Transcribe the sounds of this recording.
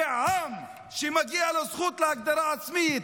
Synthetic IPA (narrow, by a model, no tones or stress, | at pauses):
am | ʃimaɡiːʕalasˤxuːt̪lhak̚d̪ɑɾˤɑasmi